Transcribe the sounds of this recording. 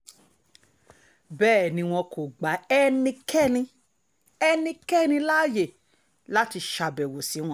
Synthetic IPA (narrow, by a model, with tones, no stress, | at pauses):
bɛː˦˨nĩ˧w̃ɔ̃˧kʰo˨ɡ͡ba˨˦ɛ˦nĩ˧kʰɛ˦˨nĩ˧ | ɛ˧nĩ˧kɛ˦˨nĩ˧laː˦˨je˦˨ | la˦ti˧ʃa˧bɛ˨wo˨si˨˦w̃ɔ̃˦